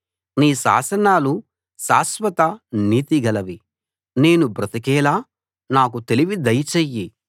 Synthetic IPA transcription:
niːsa̰ːsɐnaːlu | saːsʋɐt̪ɐniːt̪iɡɐlɐʋi | ne̞ːnubɾɐt̪ɐk̬ɛːlaː | naːk̬ut̪e̞liʋid̪ɐjt͡ʃeːjːi

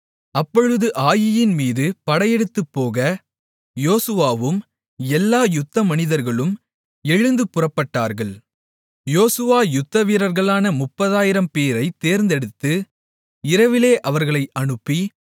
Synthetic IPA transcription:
ɐpːɔɻɯðɯʔaːjɪjɪnmiːðɯpɐɽɐjɛɽɯt̪ːɯpːoːɣɐ | joːsɯʋaːʋɯm | ɛlːaːjʊt̪ːɐmɐnɪðɐɾɣɐɭɯm | ɛɻɯnd̪ɯpʊrɐpːɐʈːaːɾɣɐɭ | joːsɯʋaːjʊt̪ːɐʋiːɾɐɾɣɐɭaːnɐmʊpːɐðaːjɪɾɐmpeːɾɐɪt̪ːeːɾnd̪ɛɽɯt̪ːɯ | ɪɾɐʋɪleːʔɐʋɐɾɣɐɭɐɪʔɐɳɯpːi

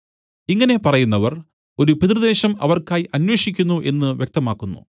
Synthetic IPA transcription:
iŋːɐne̞pɐrɐjunːɐʋɐr | o̞ɾupit̪rɨd̪e̞ːɕɐmɐ̰ʋɐrkaːjʔɐnwe̞ːʂikʲːunːuʔe̞nːɨʋjek̚t̪ɐmaːkːunːṵ

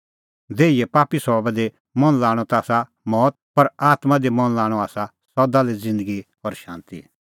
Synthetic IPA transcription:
d̪eːijɛpaːpisɔːbɛd̪e | mɐnlaːɽ̃ɔt̪aːsa | mɔːt̪̚pɐɾaːt̪mãd̪emɐnlaːɽ̃ɔaːsa | sɔd̪aled͡zɪ̃nd̪əɡi | ɔɾʃã̰ːnt̪ḭ

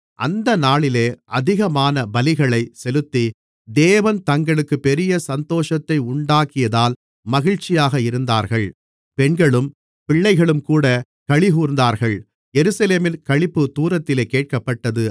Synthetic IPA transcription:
ʔɐ̰nd̪ɐnaːɭɪleːʔɐðɪɣɐmaːnɐbɐlɪɣɐɭɐɪsɛlɯt̪ːi | d̪eːʋɐnt̪ɐŋɡɐɭɯkːɯpɛɾɪjɐsɐnt̪oːʂɐt̪ːɐɪʊɳɖaːkɪjɐðaːl | mɐɣɪɻt͡ʃɪjaːɣɐɪɾɯnd̪aːɾɣɐɭ | pɛɳɡɐɭɯm | pɪɭːɐɪɣɐɭɯmkuːɽɐ | kɐɻɪɣuːɾnd̪aːɾɣɐɭ | jɛɾɯsɐleːmɪnkɐɻɭɪpːɯt̪uːɾɐt̪ːɪleːkeːʈ̚kɐpːɐʈːɐðɯ

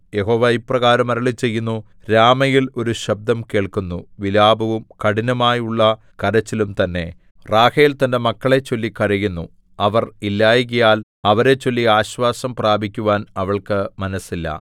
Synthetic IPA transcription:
je̞ɦo̞ːʋaiprɐɣaːɾɐmɐɾɐɭit͡ɕe̞jːunːu | ɾaːmɐjilo̞ɾuɕɐb̚d̪ʱɐmke̞ːɭkunːuʋilaːbʱɐʋumkɐɽinɐmaːjuɭːɐ | kɐɾɐt͡ɕːilumt̪ɐnːe̞ | raːheːlt̪ɐnde̞mɐkːɐɭe̞t͡ɕːo̞lːikɐɾijunːu | ɐʋɐrilːaːjiɣɐjaːl | ɐʋɐɾe̞t͡ɕːo̞lːiaːɕʋaːsɐmpraːbʱikʲːuʋaːnɐʋɐɭkɨmɐnɐsilːɐ̰

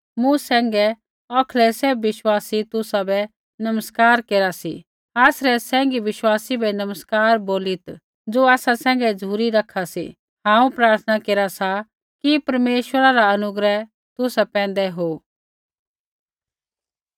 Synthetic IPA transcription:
mũsɛ̃ːŋɡɛ | ɔːkʰlɛsebːɪʃwaːsit̪ʊsabɛ | nɐməskaːɾkeːɾasḭ | aːsɾɛsɛ̃ːŋɡiʋɪʃwaːsibɛnɐməskaːɾboːlɪt̪ | d͡zoːaːsasɛ̃ːŋ̆ɡɛd͡zʱuːɾiɾɐkʰasḭ | ɦãːũpɾaːɾt̪ʰnakeːɾasa | kipɐɾmeːʃwəɾaɾaɐnʊɡɾɛ | t̪ʊsapɛ̃ːn̆d̪ɛɦo

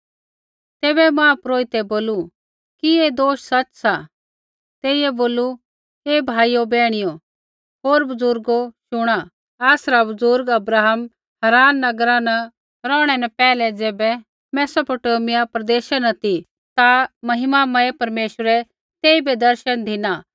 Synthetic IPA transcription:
t̪eːbɛmãːpɾoːit̪ɛboːlu | kied̪oːʃsɐt͡ʃsa | t̪eːiɛboːlu | ebʱaːijobɛːɽ̃ɪjo | ɦoːɾbɐzʊɾɡoʃʊɽ̃a | aːsɾabɐzʊɾɡɐbɾaːɦəm | hɐɾaːnːɐɡɾãnɐ | ɾɔ̃ːɽ̃ɛnɐpɛːlɛd͡zɛːbɛ | mɛːsopoːʈoːmɪjapɾɐd̪eːʃanɐt̪i | t̪amɐɦɪmamɐepɐɾmeːʃwəɾɛ | t̪eːibɛd̪ɐɾʃənd̪ʱɪna

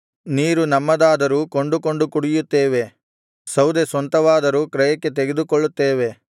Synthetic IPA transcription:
niːɾunɐmːɐd̪aːd̪ɐɾuːkoɳɖuko̞ɳɖukuɽijut̪ːeːʋe̞ | sɐwd̪esʋɐnt̪ɐʋaːd̪ɐɾuːkɾɐjɐkːe̞t̪̬eɡe̞d̪ukoɭːut̪ːeːʋe̞

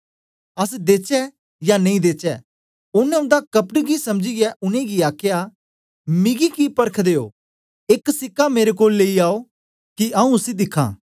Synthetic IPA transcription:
ɐs̬d̪eːt͡ʃɛ | janɐĩd̪eːt͡ʃɛ | ʊnɛ̃ʊ̃nd̪akɐpʈɡisɐmd͡ʒijɛʔʊnẽɡiaːkʰja | mɪ̃ɡikipɐɾəkʰd̪eːo̰ː | ɪksɪkːameːɾekoːlːeːiaːo | kiɐːũʊsid̪ɪkʰːã̰ː

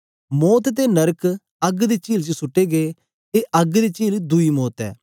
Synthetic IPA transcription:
mɔːt̪t̪enɐɾək | ɐɡd̪et͡ʃiːlt͡ʃsʊʈːeɡe | t̪eʔɐɡd̪et͡ʃiːld̪ʊimɔːt̪ɛ̰ː

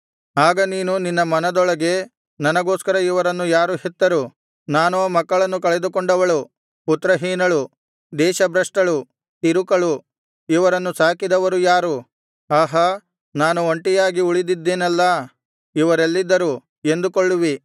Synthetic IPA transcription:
aːɡɐniːnuninːɐmɐnɐd̪ɔɭɐɡe̞ | nɐnɐɡo̞ːskɐɾɐiʋɐɾɐnːujaːɾuhɛt̪ːɐɾu | naːnoːmɐkːɐɭɐnːukɐɭɛd̪ukɔɳɖɐʋɐɭu | put̪ːɾɐɦiːnɐɭu | d̪ɛːʃɐbɾɐʂʈɐɭu | t̪iɾukɐɭu | iʋɐɾɐnːusaːkid̪ɐʋɐɾujaːɾu | aːɦɐ | naːnuoɳʈijaːɡiuɭid̪id̪ːeːnɐlːɐ | iʋɐɾelːid̪ːɐɾu | e̞nd̪ukoɭːuʋi

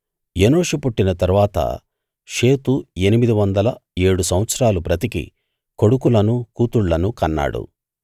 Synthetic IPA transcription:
jenoːʂupuʈːinɐt̪ɐɾuʋaːt̪ɐ̰ | ʃe̞ːt̪ue̞nimid̪iʋɐnd̪ɐlɐe̞ːɽusɐmʋɐt̪sɐɾaːlupɾɐt̪ikḭ | ko̞ɽukulɐnukuːt̪uɽlɐnukɐnːa̰ːɽṵ

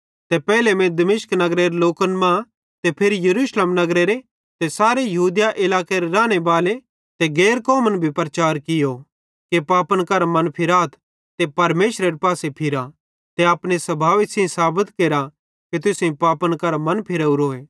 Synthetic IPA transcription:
t̪ɛpɛːlemɛ̃d̪ɐmɪʃknɐɡɾeɾeloːkənmã | t̪epʰɪɾijɐɾuːsleːmnɐɡɾeɾe | t̪esaːɾejɐɦuːd̪jaʔɪlaːkeɾeɾãːɽ̃ebaːle | t̪eɡeːɾkɔːmənbʱipɾɐt͡ʃaːɾkɪjo | kepaːpənkɐɾamɐ̃npʰɪɾaːt̪ʰ | t̪epɐɾmeːʃɾeɾepaːsepʰɪɾa | t̪eɐpɽ̃esɐbʱaːʋisẽsaːbət̪keːɾa | ket̪̬ʊsẽĩpaːpənkɐɾamɐnpʰɪɾeuɾoːeː

